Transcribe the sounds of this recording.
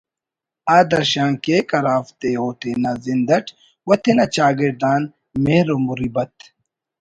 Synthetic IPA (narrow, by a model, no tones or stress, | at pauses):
aːd̪ɐɾɕãːŋkeːkɐɾaːft̪eːɦoːt̪ʰenɐzind̪ɐʈʰ | wɐt̪ʰenɐt͡ɕaːɡiɾd̪aːn | meːɾomuɾibɐt̪̚